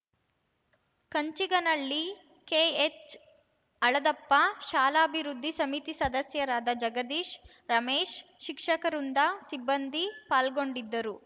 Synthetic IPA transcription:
kɐɲt͡ʃiɡɐnɐɭːi | keːet͡ʃ | ɐɭɐd̪ɐpːɐʃaːlaːɐbʱiɾud̪ʱːisɐmit̪isɐd̪ɐsjɐɾaːd̪ɐd͡ʒɐɡɐd̪iːʃ | ɾɐmeːʃʃikʂɐkɐɾund̪ɐsibːɐnd̪ipaːlɡo̞ɳɖid̪ːɐɾu

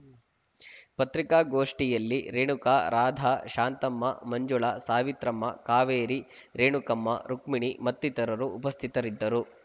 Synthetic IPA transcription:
pɐt̪ɾikaːɡoːʂʈijɐlːiɾeːɳukaːɾaːd̪ʱaːʃaːnt̪ɐmːɐ̰mɐɲd͡ʒuɭasaːʋit̪ɾɐmːɐkaːʋeːɾiɾeːɳukɐmːɐ̰ɾukmiɳimɐt̪ːit̪ɐɾɐɾuːpɐst̪ʰit̪ɐɾid̪ːɐɾu

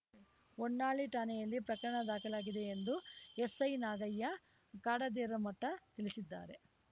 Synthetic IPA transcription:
oɳːaːɭiʈaːnejɐlːipɾɐkɐɾɐɳɐd̪aːkɐlaːɡid̪e̞ːnd̪uesɐjnaːɡɐjːɐ | kaːɽɐd̪eːɾɐmɐʈːɐt̪iɭisid̪ːa̰ːɾe̞̰

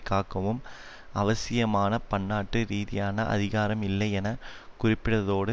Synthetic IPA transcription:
kːaːkːɐʋɯm | ɐʋɐsɪjɐmaːnɐpɐɳːaːʈːɯɾiːðɪjaːnɐʔɐ̰ðɪɣaːɾɐmɪlːɐɪɛnɐkʊrɪpːɪɽɐðoːɽɯ

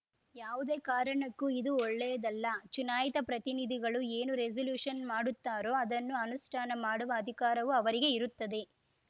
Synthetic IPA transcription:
jaːʋud̪e̞ːkaːɾɐɳɐkːuid̪uɔɭːɛjɐd̪ɐlːɐt͡ʃunaːjit̪ɐpɾɐt̪inid̪ʱiɡɐɭue̞ːnuɾezɐljuːʂɐnmaːɽut̪ːaːɾo̞ːɐd̪ɐnːuɐnusʈʰaːnɐmaːɽuʋɐːd̪ʱikaːɾɐʋuɐʋɐɾiɡe̞iɾut̪ːɐd̪e̞

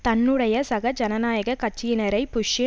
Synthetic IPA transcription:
t̪ɐnːɯɽɐjɐsɐɣɐd͡ʒɐnɐnaːjɐɣɐkɐt͡ʃːɪjɪnɐɾɐɪpʊʂɪ

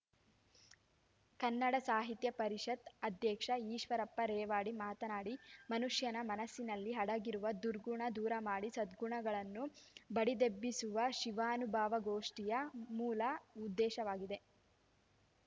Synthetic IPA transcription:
kɐnːɐɽɐsaːɦit̪jɐpɐɾiʂɐt̪ɐd̪ʱjɛːkʂɐiːʃʋɐɾɐpːɐɾeːʋaːɽimaːt̪ɐnaːɽimɐnuʂjɐnɐmɐnɐsːinɐlːiɦɐɽɐɡiɾuʋɐd̪uɾɡuɳɐd̪uːɾɐmaːɽisɐd̪ɡuɳɐɡɐɭɐnːubɐɽid̪ebːisuʋɐʃiʋaːnubʱaːʋɐɡoːʂʈijɐmuːlɐud̪ːɛːʃɐʋaːɡid̪e̞

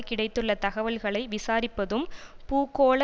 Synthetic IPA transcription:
kːɪɽɐɪt̪ːɯɭːɐt̪ɐɣɐʋɐlɣɐɭɐɪʋɪsaːɾɪpːɐðɯmpuːkːoːɭɐ

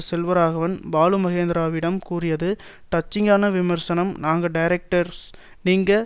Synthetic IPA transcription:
sɛlʋɐɾaːɣɐʋɐnbaːlɯmɐɣeːnd̪ɪɾaːʋɪɽɐmkuːrɪjɐðɯ | ʈɐt͡ʃːɪŋɡaːnɐʋɪmɐɾsɐnɐmnaːŋɡɐɖɐjɪɾɛk̚ʈɐɾs | niːŋɡɐ

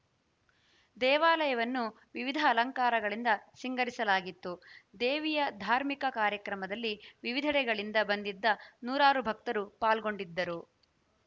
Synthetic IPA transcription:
d̪ɛːʋaːlɐjɐʋɐnːu | ʋiʋid̪ʱɐːlɐŋkaːɾɐɡɐɭind̪ɐsiŋɡɐɾisɐlaːɡit̪ːud̪eːʋijɐd̪ʱaːɾmikɐkaːɾjɐkɾɐmɐd̪ɐlːiʋiʋid̪ʱɐɽɛɡɐɭind̪ɐbɐnd̪id̪ːɐnuːɾaːɾubʱɐk̚t̪ɐɾupaːlɡo̞ɳɖid̪ːɐɾu

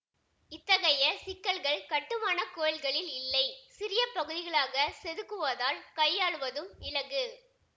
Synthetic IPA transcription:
ɪt̪ːɐɣɐjɐsɪkːɐɭɣɐɭkɐʈːɯmaːnɐkoːɐlɣɐɭɪlɪlːɐɪsɪɾɪjɐpɐɣɯðɪɣɐɭaːɣɐsɛðɯkːɯʋɐðaːlkɐɪjːaːɭɯʋɐðɯmɪlɐɣɯ

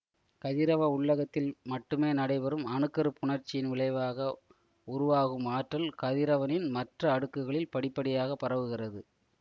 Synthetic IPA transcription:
kɐðɪɾɐʋɐʊɭːɐɣɐt̪ːɪlmɐʈːɯmeːnɐɽɐɪʋɐɾɯmɐnɯkːɐɾɯpʊɳɐɾt͡ʃːɪjɪnʋɪɭɐɪʋaːɣɐ | ʊɾʊʋaːɣɯmaːʈːɐlkɐðɪɾɐʋɐnɪnmɐʈrɐːɽɯkːɯɣɐɭɪlpɐɽɪpːɐɽɪjaːɣɐpːɐrɐʋɯɣɪrɐðɯ

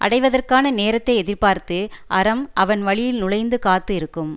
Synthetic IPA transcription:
ʔɐ̰ɽɐɪʋɐðɐrkaːnɐneːɾɐt̪ːɐɪɛðɪrpaːɾt̪ɯʔɐɾɐmʔɐʋɐnʋɐɭɪjɪlnʊɭɐɪnd̪ɯkaːt̪ːɯɪɾɯkːɯm

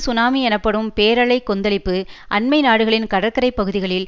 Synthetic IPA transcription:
sʊnaːmiɛnɐpːɐɽɯmpeːɾɐɭɐɪkːɔnd̪ɐɭɪpːɯʔɐnmɐɪnaːɽɯɣɐɭɪnkɐɽɐɾkːɐɾɐɪpːɐɣɯðɪɣɐɭɪl

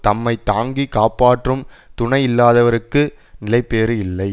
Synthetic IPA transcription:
t̪ɐmːɐɪt̪aːŋɡikaːpːaːʈrɯm | t̪ʊɳɐɪɪlːaːðɐʋɐɾɯkːɯ | nɪlɐɪpːeːɾɯɪlːɐɪ

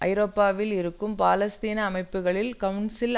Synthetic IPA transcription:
ʔɐɪɾoːpːaːʋɪlɪɾɯkːɯmpaːlɐst̪iːnɐːmɐɪpːɯɣɐɭɪlkɐʋɳsɪl

